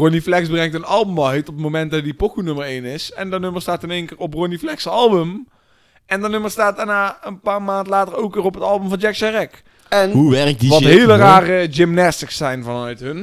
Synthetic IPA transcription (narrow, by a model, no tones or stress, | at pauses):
roniflɛksbrɛŋtənɑlˠbəmʋɑɦejtɔp̚ətmomɛntdɑdipokunɵmərejnɪsɛndənøməɹstaːtɪneːŋkɪːɹɔprɔniflɛksɑlˠbəm | ɛndənɵməɹstaːtdaɹnaːənpaːɹmaːntlaːtərowkʋɪːrɔpɦətɑlˠbəmvɑnd͡ʒɛksɛrɛk | ɛnɦuʋɛrk̚iʋɑtɦeːləraːrəd͡ʒɪmnɛstəxsɛjnvɑnœɥtɦən